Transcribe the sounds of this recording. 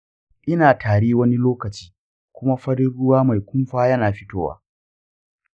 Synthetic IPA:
ʔɪ˦naː˨tʰaː˨ɽiː˦wɐ˦ni˦loː˦kɐ˨t͡ʃiː˦ | kʷʊ˦ma˦ɸɐ˦ɽɪ˦ɽʊ˦waː˦ma˨jkʷʊ˦mɸaː˦jɐ˦naː˨ɸɪ˦toː˦wa̰ː˦

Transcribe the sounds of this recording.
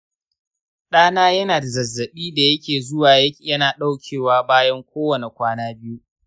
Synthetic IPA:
ɗaː˦naː˦jɐ˦naː˨da˨zɐ˨zːɐ˨ɓiː˦da˨jɐ˦kʲeː˨zʊ˦waː˨jɐ˦jɐ˦naː˨ɗa˦wkʲʰeː˨waː˦baː˦jɐ˦ŋkʷoː˦wɐ˨ne˨kʷaː˦naː˦bɪ˦ju˦

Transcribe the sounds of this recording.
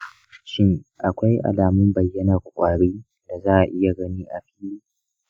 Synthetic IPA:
ʃɪ˦ŋʔa˨kʷa˦jʔa̰˨laː˨mʊ˦mbɐ˨jːɐ˦naː˨kʷʊ˨kʷʼaː˨ɽeː˦ | da˨zaː˦ʔa˨ʔɪ˦ja˨ɡɐ˦niː˦ʔa˨ɸiː˦liː˦

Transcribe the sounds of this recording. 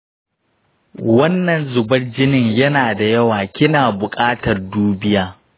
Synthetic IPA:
wɐ˦nːɐ˨nzʊ˨bɐ˦rd͡ʒɪ˦nɪ˦˨ɲjɐ˦naː˨da˨jɐ˦waː˨kʲɪ˦naː˨bʊ˨kʼaː˦tɐ˨rduː˦bɪ˦jaː˦

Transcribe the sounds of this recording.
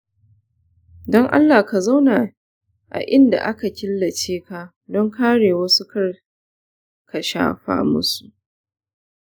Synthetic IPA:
dɔ˦ŋʔa̰˦lːaː˨ka˨za˦wna˨ | ʔa̰˨ʔɪ˦nda̰˨ʔa˦ka˨kʲɪ˦lːɐ˨t͡ʃeː˦ka˦ | dɔ˦ŋkaː˦ɽeː˨wɐ˦su˦kɐ˦r | kʰa˨ʃa̰ː˦ɸa̰ː˦mʊ̰˦su̥˨ʔ

